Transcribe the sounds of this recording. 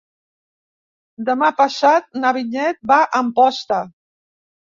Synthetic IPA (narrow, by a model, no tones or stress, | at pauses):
d̪əmapəsat̪̚nəβiɲɛt̪̚baʔəmpɔst̪ə